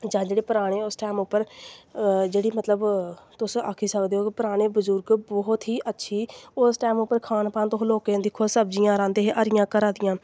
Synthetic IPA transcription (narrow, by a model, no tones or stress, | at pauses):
d͡ʒãːd͡ʒeːɽeːpəɾaːɽ̃eːʊsʈɛːmʊpːəɾ | d͡ʒeːɽiːmət̪ləbt̪ʊsakʰiːsəkd̪eːɦoːkɪpəɾaːɽ̃eːbəzʊɾɡbɔɦʊt̪ɦiːʔətːʃʰiːʊsʈɛːmʊpːəɾkʰaːnpãːnt̪oɦloːkẽːd̪ɪkʰːoːsəb̚d͡ʒijãːɾãːnd̪eːɦeʔəɾɪjãːkəɾãːd̪ɪjãː